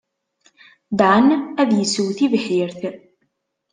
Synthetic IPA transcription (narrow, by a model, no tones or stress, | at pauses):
d̪ʕənæðjəsəwθivħjəɾθ